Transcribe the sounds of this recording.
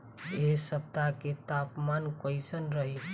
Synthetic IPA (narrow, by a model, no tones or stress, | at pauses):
esəb̚t̪aket̪apmankəjsənɾəɦi